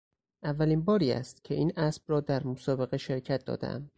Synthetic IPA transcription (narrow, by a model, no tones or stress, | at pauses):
ʔævːæliːnbɒːɾiːæ̰st̪cʲʰe̞ʔiːnʔæsb̥rɒːd̪æɾmosɒːbe̞ɣe̞ʃe̞ɾcʰæt̪̚d̪ɒ̰ːd̪ḛʔæ̰m